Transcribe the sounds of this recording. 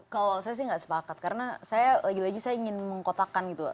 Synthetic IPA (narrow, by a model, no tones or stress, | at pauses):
kalosajas̬ɪhŋɡaʔsə̥pakat̪̚kaɾənasajalaɡilaɡisajaiŋɪnməŋkot̪akanɡit̪u